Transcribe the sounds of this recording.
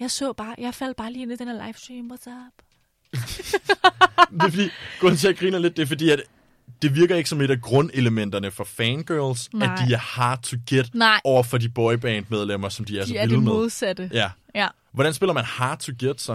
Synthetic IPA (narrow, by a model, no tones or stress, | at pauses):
jɑ̈ɪsɔ̰ːb̥ɑ̈ːjäɪfæl̰d̥̚b̥ɑ̈ːliːenid̥eneɐlɑɪfsd̥ʁiːmwɒsɑb̥ | d̥efɒd̥ḭ̥ːɔ̰ent͡sʰejæɡ̥ʁḭːnɐle̝d̥̚ːe̝fɒ̽dḭːæd̥ | d̥e̝ʋiɐɡ̥ɐe̝ɡ̥ə̥sɒ̽me̝ɾ̥æɡ̥ʁɔ̽ne̝ləmen̰d̥ɐnəfɒ̽fɛnɡ̥ɜɐlsæd̥iæɐhɑ̈t͡sʰuɡ̥ed̥ɒʊɐfɒ̽dib̥ɒɪb̥ɛ̰ːnd̥með̞ˠlem̰ɐsɒ̽md̥iæɐsɒilmeðð̩ˠsæd̥əjæ | ʋɒɾ̥ænsb̥e̝lɐmænhɑ̈t͡sʰuɡ̥ed̥s